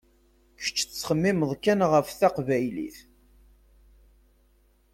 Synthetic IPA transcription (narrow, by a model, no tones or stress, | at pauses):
kə̥t͡ʃːt͡sːχəmːiməðˤkænʁəfθæqvæjlḭθ